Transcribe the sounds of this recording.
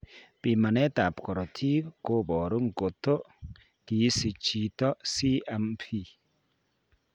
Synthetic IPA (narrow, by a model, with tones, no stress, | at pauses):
pi˨ma˨nɛ˦ta˨pkɔ˨ɾɔ˨tʰi˦βko˦bɔ˨ɾu˦ŋ˨ko˨to˦ | ki˨˦si˨t͡ʃi˨tɔ˦si˦ɛ˨˦mpʰi˦˨